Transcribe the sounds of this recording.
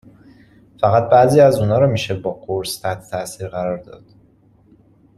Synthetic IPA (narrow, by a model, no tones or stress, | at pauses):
fæɣæt̪̚bæziːæzuːnɒːɾɒːmiːʃebɒːɡoɾst̪ʰæht̪ʰet̪ʰæsiːɾɣæɾɒːɾd̪ɒ̰ːd̪̥